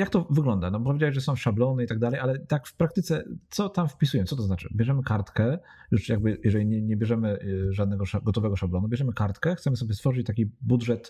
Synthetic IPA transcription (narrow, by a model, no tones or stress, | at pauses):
jakt̪ɔvɘɡlɔnd̪anɔpɔvʲed͡ʑawɛʑʐɛsɔ̃w̃ʂablɔnɛit̪aɡ̚d̪alɛjʔalɛt̪akfpɾak̚t̪ɘt̪sɛt̪sɔt̪amfpʲisujɛsɔt̪̬ɔznat͡ʂɘ̰bʲjɛʐɛmɘkaɾt̪kɛ | juʂjaɡ̚bɘjɛʐɛlʲiɲɛɲɛbʲjɛʐɛmɘʐad̪nɛɡɔʂaɡɔt̪ɔvɛɡɔʂablɔnubʲjɛʐɛmɘkaɾt̪kɛxt̪sɛmɘsɔbʲjɛst̪fɔʐɘt͡ɕt̪akʲibudʐɛt̪